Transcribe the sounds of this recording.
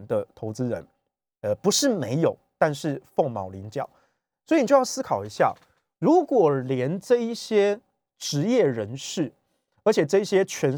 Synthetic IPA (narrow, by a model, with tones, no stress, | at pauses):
nd̪ə˧t̪ʰo˧˥ʊt͡sɹ̩˦ɻə̰˧˦n | ə˨˩pu˨˦ʂɻ̩˥˩me˧˥ɪjo˨˩ʊt̪a˥˧nʂɻ̩˥˨fo˥˩ŋmɑ˨˩ʊli˧˦nt͡ɕjɑ̰˥˨˩ʊ | swɔ˧˥i˨ni˨˩t͡ɕo˥˧jɑ˥˧ʊsɹ̩˥kʰɑ˨˩ʊi˧˦ɕja̰˥˩ | ɻu˨˦kwɔ˨˩ljɛ˧˦nʈ͡ʂɤ˥˧i˥˩ɕjɛ˥ | ʈ͡ʂɻ̩˧˥jɛ˥˩ɻə˧˦nʂɻ̩˥˩ | ə˞˧˥t͡ɕʰjɛ˨˩ʈ͡ʂɤ˥˧i˥˩ɕjɛ˦˥t͡ɕʰɥɛ˧˥n